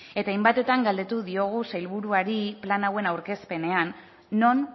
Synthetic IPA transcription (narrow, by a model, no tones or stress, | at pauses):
e̞t̪ajmbat̪e̞t̪aŋɡald̪e̞t̪uðio̞ɣ̞usajlβuɾuaɾiplanawe̞nawɾke̞spe̞ne̞anː | o̞n